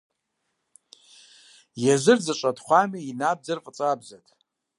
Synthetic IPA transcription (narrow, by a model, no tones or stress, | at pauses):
jaʒʷɨrd͡zat͡ʃʷʼadχʷamiinab̚d͡zarfʼt͡sʼabzatʼ